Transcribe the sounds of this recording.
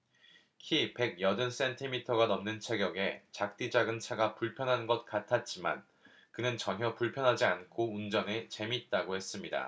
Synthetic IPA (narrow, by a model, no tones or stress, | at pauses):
kʰipe̞ɡ̚jʌdɯns͈entʰimitʰʌɡanʌmnɯnt͡ɕʰeɡjʌɡe̞t͡ɕak̚t͈id͡ʑaɡɯnt͡ɕʰaɡapuɭpʰjʌnɦannɡʌt̚k͈atʰat̚t͡ɕ͈ima̰n | kɯnɯnt͡ɕʌŋɦjʌpuɭpʰjʌnɦad͡ʑiankʰound͡ʑʌnet͡ɕe̞mit̚t͈aɡohe̞s͈ɯmɲida̰